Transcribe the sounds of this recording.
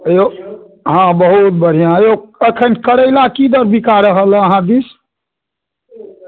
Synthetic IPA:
jo | ɦãbəɦut̪̚bəɽ̤ijajoəkʰənkəɽəɪlakid̪əɾbʱikaɾəɦələɦãd̪is

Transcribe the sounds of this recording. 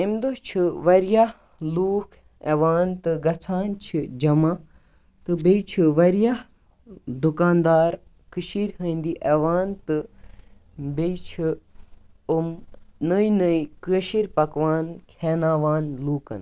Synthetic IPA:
imd̪ot͡ʃʰiʋɐɾja | luːkʰ | ḛʋaːnt̪ɨɡɐt͡sʰaːnt͡ʃʰid͡ʒɐma | t̪ɨbejt͡ʃʰiʋɐɾja | d̪ukaːnd̪aːɾ | kɨʃiɾʲɦənd̪iʔeʋaːnt̪ɨ | bejt͡ʃʰi | umnəjnəikəʃiɾʲpɐkʋaːnkʰeːnaːʋaːnluːkɐ̰n

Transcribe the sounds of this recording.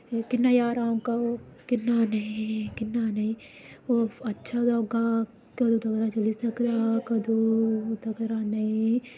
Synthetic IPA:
kɪnːajaːɾaõkakɪnːanɐɦĩkɪnːanɐĩː | oɐtːʃʰad̪ɔːɡa | kɐd̪ud̪ɐɡɾat͡ʃɐlisɐkd̪akɐd̪ud̪ɐɡɾanɐɦĩ

